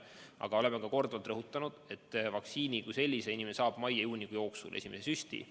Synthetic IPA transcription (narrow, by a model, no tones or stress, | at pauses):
ɑ̰ɡ̥ɑo̞le̞mekɑko̞rd̪uvɑlt̪rɤɦut̪ːˑɑnud̪̥e̞t̪ːˑvɑksiːnʲikujse̞lʲːise̞inʲimensɑːb̥mɑjɑjuːnʲikujo̞ːksṵlʔe̞sʲime̞sesysʲt̪ḭ